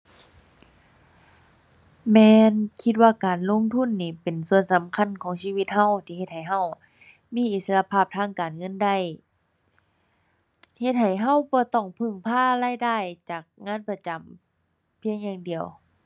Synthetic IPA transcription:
mɛː˧nkʰi˧t̪̚waː˧˩kaː˨˩nlo˧˥˨ŋt̪ʰu˧˥˨nːiː˧˩pe˨˩nsu˧˨ənsa˨˦mkʰa˧˥˨nkʰɔː˨˦ŋsiː˧˨wi˧t̪̚ha˧˥˩wt̪ʰiː˧˨e˧t̪̚ha˨˩jɦa˧˩˨w | miː˧˥˨ʔi˧˩sa˧la˧pʰaː˧˩p̚t̪ʰaː˧˥˨ŋkaː˨˩nŋɤ˧˥˨nda˧˩˨j | he˧t̪̚ha˨˩jɦa˧˩˨wbɔː˧˦t̪ɔː˧˩ŋpʰɯ˧˩ŋpʰaː˧˥˨laː˧˥˨jdaː˧˩jt͡ɕaː˨˩k̚ŋaː˧˥˨npa˧t͡ɕa˨˩m | pʰi˧˥əŋjaː˧ŋdi˨˩əw

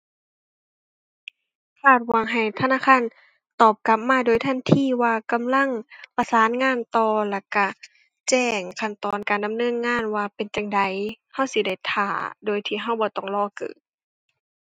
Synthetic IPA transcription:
kʰaː˧˩t̪̚wa˧˦ŋɦa˨˩jt̪ʰa˧˨naː˧˥˨kʰaː˧˥˨n | t̪ɔː˨˩p̚ka˧˦p̚maː˧˥˨doː˨jt̪ʰa˧˥˨nt̪ʰiː˧˩˨waː˧ka˨mla˧˥˨ŋpa˧saː˨˦nŋaː˧˥˨nt̪ɔː˧la˧˩ka˧˩ | t͡ɕɛː˧˩ŋkʰa˧˩nt̪ɔː˨nkaː˨˩nda˨mnɤː˧˥˨nŋaː˧˥˨nwaː˧pe˨nt͡ɕa˧ŋda˨˦j | ha˧˩˨wsi˧˩da˧˩jt̪ʰaː˨˧˩doː˨jt̪ʰiː˧˩ɦa˧˩wbɔː˧˦t̪ɔː˧˩ŋlɔː˧˨kɯ̰ː˨˩

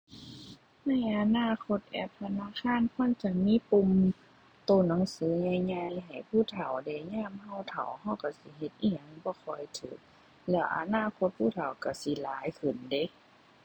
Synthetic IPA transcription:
na˧˩˨jʔa˧naː˧˥˨kʰo˧t̪̚ʔɛ̰ː˧˩p̚t̪ʰa˧naː˧˥˨kʰaː˧˥˨nkʰɔː˧˥˨nt͡ɕa˧˩k̚miː˧˥˨pu˧˨m | t̪oː˧˩˨nɔ˨˦ŋsɯː˨˦ɲa˧˩jɲa˧jɦa˨˩jpʰuː˧˨t̪ʰa˨˩wdɛː˧˩ɲaː˧˥˨mha˧˩wt̪ʰa̰˨˩wha˧˩wka˧˩si˧˦ɦe˧˦t̪̚ʔi˧˩˨a˨ŋbɔː˧˦kʰɔ˧˩jt̪ʰɯː˨˦k̚ | lɛː˧˩wʔa̰˧naː˧˥˨kʰo˧˦t̪̚pʰuː˧˥˨t̪ʰa˨˩wka˧˩si˧˦laː˨˦jkʰɯ˨˩nde˧˦˨

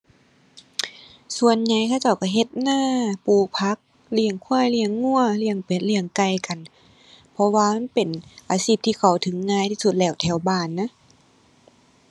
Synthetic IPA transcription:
su˧˨ənɲa˧˩jkʰaː˧˨wt͡ɕa˧˩wka˧˩ɦe˧˦t̪̚naː˧˩˨puː˧pʰa˧˦˥k̚ | li˧˩əŋkʰu˧˥˩ə˨jli˧˩əŋːu˧˩˨ɐli˧əŋpe˨nli˧əŋka˧˩jka˨˩n | pʰɔ˧waː˧ma˧˥˨npe˨nʔaː˨˧siː˧˩p̚t̪ʰiː˧kʰa˨˩wt̪ʰɯ˨˦ŋːaː˧˩˨jt̪ʰiː˧su˧t̪̚lɛː˧˩˨wt̪ʰɛː˧˩wbaː˧˩˨nːa˧˥

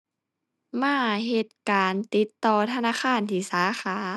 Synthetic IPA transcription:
maː˧˥˩ɦe˧t̪̚kaː˨˩nt̪i˧˦t̪ːɔː˧˩t̪ʰa˧naː˧˥˨xʰaː˧˥˨nt̪ʰiː˧˩saː˨˦xʰaː˨˩˦

